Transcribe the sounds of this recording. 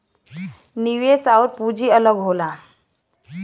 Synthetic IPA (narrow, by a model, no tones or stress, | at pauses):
niʋesauɾpud͡ʒʱiələɡɦola